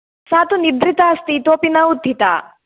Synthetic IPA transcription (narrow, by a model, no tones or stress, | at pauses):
saːt̪uniɾd̪ɾit̪aɐst̪it̪oːpinɐud̪ʱːit̪a̰ː